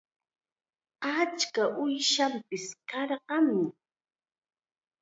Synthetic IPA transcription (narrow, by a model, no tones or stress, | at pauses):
at͡ʃkaʔʊjʃampɪskɑɾɢɑmɪ